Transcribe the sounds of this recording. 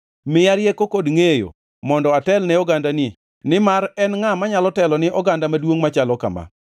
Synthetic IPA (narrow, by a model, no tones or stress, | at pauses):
mɪjaɾjekokodŋejo̰ | mɔndɔatɛlnɛɔɡandanɪ | nɪmaɾɛnŋamaɲalɔtɛlɔnɪʔɔɡandamadwoŋmat͡ʃalɔka̰ma̰